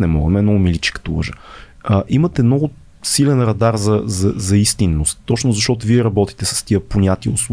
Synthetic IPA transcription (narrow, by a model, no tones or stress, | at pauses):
nɛmɔɡəmɛɛnɔɡʊmilit͡ʃɛ̥kə̥t̪oə̰ʒə | əʔimɐt̪ɛmnɔɡʊ | silɛnɾɐd̪aɾzɐzɐzɐist̪inːost̪ːɔt͡ʃnʊzɐʃt̪ɔt̪ʊviɛɾɐbɔt̪i̥t̪ɛsɐ̥st̪iəponʲat̪iəʊsˠ